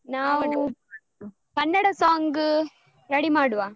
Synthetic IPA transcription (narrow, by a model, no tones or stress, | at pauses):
naː | pɐnːɐɽɐsaːŋɡɯ | ɾɐɽimaːɽɯʋãː